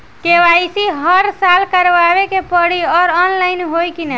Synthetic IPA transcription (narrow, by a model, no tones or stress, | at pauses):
keʋajsiɦəɾsalkəɾʋaβekepəɽiɔɾɔnlajnɦojkinə